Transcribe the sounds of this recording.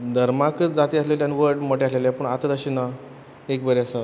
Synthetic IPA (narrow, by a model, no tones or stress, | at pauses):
d̪ʱəɾmakət͡sd͡zat̪iːasleljaniʋəɾɖmoʈeasleljapəɳat̪ət̪əɕina | ekbəɾeasa